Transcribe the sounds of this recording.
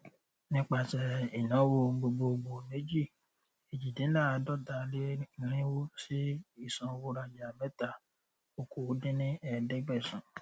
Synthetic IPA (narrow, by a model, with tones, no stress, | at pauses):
nĩ˦k͡pa˧sɛ˧i˨nã˨˦wo˧ɡ͡bo˧ɡ͡bo˧ɡ͡bo˧me˨˦d͡ʒi˦˨ | e˨d͡ʒi˨dẽ˨˦la˦˨˧dɔ˦da˧le˦˨ɾ̃ĩ˦wo˦si˦i˦˨sã˨˧wo˧˦ɾa˧d͡ʒa˨a˨mɛ˨˦ta˧˨ | o˧ko˨˦dĩ˦nĩ˦ɛ˦˨dɛ˦ɡ͡bɛ˦˨sũ˨